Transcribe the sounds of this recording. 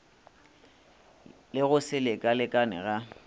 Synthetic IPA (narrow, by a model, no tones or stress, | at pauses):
lɪɣʊsɪlekʼalɪkʼanɪ̰ɣa